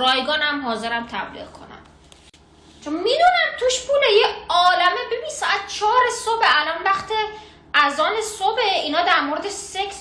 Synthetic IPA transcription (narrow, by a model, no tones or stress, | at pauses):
ɾɒːjɡɒːnæmɦɒːzeɾæmt̪ʰæblḭɣkʰo̞̰næ̰m | t͡ʃʰonmid̪uːnæmt̪ʰuʃpʰulejeɒːlæmebebinsɒːæt̪̚t͡ʃʰɒːɾesobeʔælɒnvæxt̪ʰi | æzɒːnesobeiːnɒːd̪æɾmoɾed̪eseks